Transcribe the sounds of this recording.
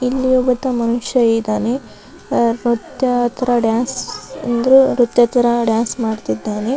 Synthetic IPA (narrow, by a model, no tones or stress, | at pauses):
ilːijuːbɐd̪ɐmɐnuʃjɐed̪aːne | ɾut̪jɐt̪ːɐɾɐɖjaːnsɐnd̪ɐɾuɾut̪jɐt̪ɐɾɐɖjaːnsmaːɖt̪id̪ːaːne